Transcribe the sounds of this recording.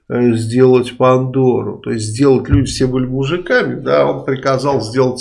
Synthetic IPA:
zʲdʲe̞lˠətʲpɐnd̪o̞ɾʊ̰t̪o̞̰ɪs̬ʲt̬ʲzʲdʲe̞lˠətʲlʲudʲɪfsʲebɨlʲɪmʊʐɨkamʲɪd̪ao̞npɾʲɪkɐzɑlˠzʲdʲe̞lˠətʲ

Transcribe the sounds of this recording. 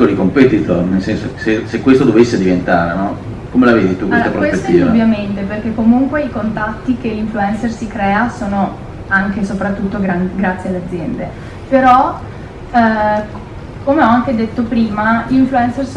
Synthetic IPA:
olikompet̪it̪ornelsɛnsosesekːwest̪od̪ovesːed̪ivent̪a̰ːɾenɔ | komelaved̪it̪ukːlsoapɾowespet̪ːiːvd̪uvːjament̪eperk̟ekːomuŋkweikont̪at̪ːikeiɱfluɛnsersikɾɛːasoːno | aŋkesopɾat̪ːut̪ːoɡɾanɡɾat̪sːjealːead̪zːjɛnd̪e | peɾɔ | komeɔaŋked̪et̪ːopɾiːmaiɱfluɛnsers

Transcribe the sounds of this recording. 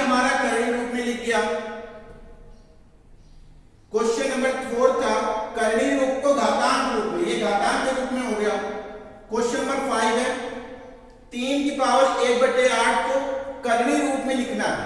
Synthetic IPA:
əmaːɾaːkəɾɳ̃iːɾuːpmẽːlɪkjaː | koːʃənəmbəɾt̪ʰoːɽt̪ʰaːkəɾɳiːmʊkt̪oːɡaːt̪aːnɾuːpmẽːeːɡaːt̪aːnt̪eːɾuːpmẽːɦoːjaː | ɡoʃəəməɾpʰaːɪd̪ɛ̃ː | t̪iːnd̪ɪpaːʋəleːk̚bəɖeːaːʈ̚ʰk̪oːkəɾɳ̃iːɾuːpmẽːlɪkʰnaː

